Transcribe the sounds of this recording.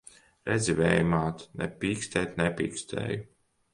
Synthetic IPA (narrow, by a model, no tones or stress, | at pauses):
ɾɛd̪zʲivʲɛjmaːt̪nɛpʲiːkst̪ɛːt̪nɛpʲiːkst̪ɛ̰ːju